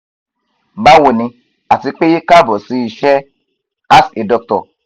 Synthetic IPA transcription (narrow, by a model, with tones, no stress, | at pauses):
ba˦wo˨nĩ˧ | a˨ti˧k͡pe˦ji˦ka˦bɔ˨si˧i˨ʃɛ˦ | a˦se˨dɔ˧k̚tɔ̰˨